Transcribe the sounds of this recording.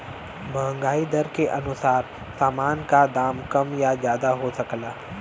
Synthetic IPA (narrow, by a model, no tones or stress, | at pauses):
bɐɦə̃ŋɡaːid̪ɐɾkeʔɐnʊsaːɾ | saːmaːnkad̪aːmkɐmjazjaːd̪aɦosɐklaː